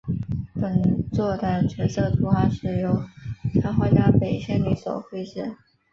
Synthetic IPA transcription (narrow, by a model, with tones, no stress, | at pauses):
pə˨˩nt͡swɔ˥˩t̪ʰa˨˩t͡ɕɥɛ˧˥nsɤ˥˩t̪ʰu˧˥xa˥ʂɻ̩˨˩jo˧˥ʊt̪ʰa˥xwa˥ɪt͡ɕa˥pe˨˩ɪɕjɛ˥˩nli˧˥swɔ̰˨˩xwe˥˧ɪɕɛ˥˩